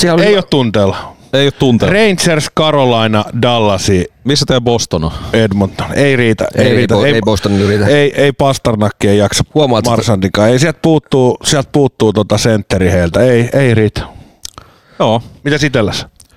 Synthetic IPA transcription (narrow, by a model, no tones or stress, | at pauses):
siæloejjoːt̪t̪unt̪eːlːɑ | eioːˑt̪t̪unt̪ereint̪serskɑrolɑinɑdɑlːɑsiːmisːɑt̪eæbost̪onɑ̰edmont̪ːo̥neiriːt̪æ̰ʔeiiriːt̪æeibost̪oniriːt̪æeiʔeipɑst̪ɑrnɑkːiejɑksɑhuomɑːɑrsɑnt̪ikɑːeisiælt̪̚puːt̪ːuːsiælt̪̚puːt̪ːuːt̪ot̪ɑsent̪ːeɾiheilt̪æeiʔeiriːt̪æ̥ | joːmit̪æsit̪elːæs